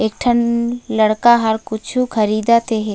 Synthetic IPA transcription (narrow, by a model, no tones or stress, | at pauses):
eːk̚ʈʰənlɐɽkaɦɐɾkʊt͡ʃʰukʰɐɾiːd̪at̪eɦe